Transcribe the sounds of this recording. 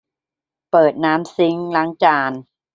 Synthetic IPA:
pɤː˨˩t̪̚naː˦˥msi˦˥ŋla˧˦˥ŋt͡ɕaː˧˩n

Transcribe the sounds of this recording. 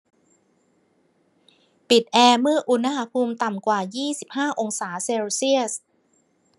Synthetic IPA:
pi˨˩t̪̚ʔɛː˧mɯ˥˩əʔu˧na˧˥ha˧˥pʰuː˧mt̪a˨˩mkwaː˨˩jiː˥˩si˨˩p̚haː˥˩ʔo˧ŋsaː˩˦seː˧wsi˥˩əs

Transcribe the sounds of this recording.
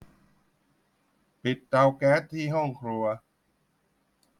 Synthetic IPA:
pi˨˩t̪̚ːa˧wkɛː˦˥t̪ʰːiː˥˩ɦɔ˥˩ŋkʰɾu˧ɐ

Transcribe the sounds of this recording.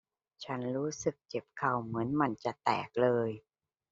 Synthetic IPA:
t͡ɕʰa˦˥nɾuː˦˥sɯ˨˩k̚t͡ɕe˨˩p̚kʰa˨˩wmɯ˩˦ənma˧nt͡ɕa˨˩t̪ɛ̰ː˨˩k̚lɤː˧j

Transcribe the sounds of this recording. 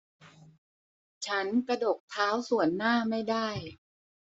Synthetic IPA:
t͡ɕʰa˦˥nkɾa˧do˨˩k̚t̪ʰaː˦˥wsu˨˩ənːaː˥˩ma˥˩jdaː˥˩j

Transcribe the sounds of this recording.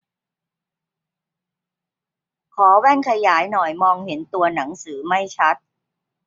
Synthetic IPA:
kʰɔː˩˦wɛː˥˩nkʰa˧jaː˩˦jnɔ˨˩jmɔː˧ŋhe˩˦nt̪u˧ɐna˩˦ŋsɯː˩˦ma˥˩jt͡ɕʰa˦˥t̪̚

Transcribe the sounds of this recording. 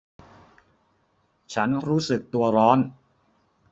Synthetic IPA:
t͡ɕʰa˦˥nɾuː˦˥sɯ˨˩k̚t̪u˧ɐɾɔː˦˥n

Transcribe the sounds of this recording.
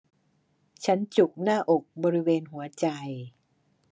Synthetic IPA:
t͡ɕʰa˦˥nt͡ɕu˨˩k̚naː˥˩ʔo˨˩k̚bɔː˧ɾi˦˥weː˧nɦu˩˦ɐt͡ɕa˧j

